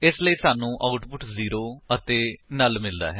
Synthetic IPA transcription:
ɪsləiːsaːnũːʔaːʊʈpʊʈziːɾoːət̪eːnəlmɪld̪a̰ːɦɛː

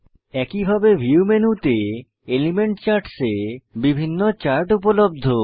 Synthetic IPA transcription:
ɛkibʱabeɦiumenut̪e | elimeɳʈt͡ɕaɾʈsebibʱinːot͡ɕaɾʈupolob̚d̪ʱo

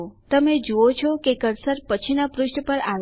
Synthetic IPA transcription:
t̪əmed͡ʒuot͡ʃʰɔkekəɾsəɾpət͡ʃʰinapɾʊʃʈpəɾaʋ

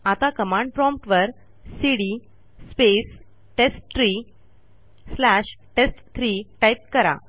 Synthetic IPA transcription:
at̪akəmãɳɖpɾɔmpʈʋəɾ | siɽi | spes | ʈesʈt̪ʰɾi | slæɕʈesʈt̪ʰɾiʈajp̚kəɾa̰

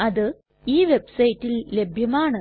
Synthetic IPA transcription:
ɐðɨ | iːʋebsɐjitːillebʱjɐmaːɳɨ

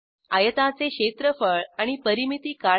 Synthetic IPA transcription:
ajət̪at͡seɕet̪ɾəfəɭaɽ̃ipəɾimit̪iːka

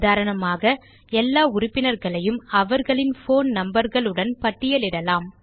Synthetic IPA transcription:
ðaːɾɐɳɐmaːɣɐ | ɛlːaːʊɾʊpːɪnɐɾɣɐɭɐjɯmɐʋɐɾɣɐɭɪnfoːnnɐmbɐɾɣɐɭɯɽɐnpɐʈːɪjɐlɪɽɐlaːm

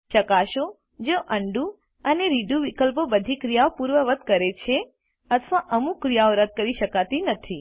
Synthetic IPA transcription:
ʃəkaʃo | d͡ʒoʔəɳɖu | əneɾiɖuʋikəlpobəd̪ʱikɾijaopuɾʋəʋəd̪ʱkəɾet͡ʃʰe | ət̪ʰʋaʔəmũkɾijaoɾəd̪̚ʱkəɾiʃəkat̪inət̪ʰi

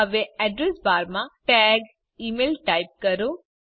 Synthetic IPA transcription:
əʋeɛɖɾesbaːɾmãʈɛːɡ | iːmeːlʈaɪp̚kɐɾu

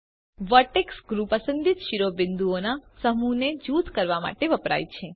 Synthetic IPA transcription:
ʋəʈeksɡɾupəsənd̪it̪ʃiɾobɪnd̪uonasəmuned͡ʒut̪kəɾʋama̰ʈeʋəpɾa̰jt͡ʃʰe

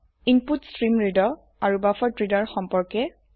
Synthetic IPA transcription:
inputstɹimɹidɔ | aɹubafɔtɹidaɹxɔmpɔɹkɛ

